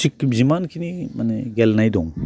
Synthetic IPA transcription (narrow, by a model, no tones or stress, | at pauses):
ik̚zimankʰinimaneɡelnajdɔŋ